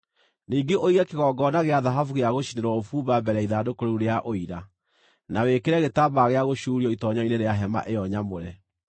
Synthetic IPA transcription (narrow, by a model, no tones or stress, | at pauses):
niːɡeʔoiɣɛkeɣɔːɡɔnaɣeaðaɦafuɣeaɣoɕineɾwɔofuːbabɛɾɛiðadokoɾeuɾeaʔoiɾa | nawekeɾɛɣetabaɣeaɣoɕuːɾiɔitɔɲɔineɾeaɦɛma̰ʔejɔɲamoɾɛ